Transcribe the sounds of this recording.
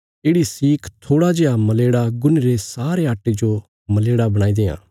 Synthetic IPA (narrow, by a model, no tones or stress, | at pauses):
eːɽisiːkʰt̪ʰoːɽad͡ʒeːamɐleːɽaɡʊniɾesaːɾeɦaːʈːed͡ʒo | mɐleːɽabɐɽ̃aːid̪eːã̰ː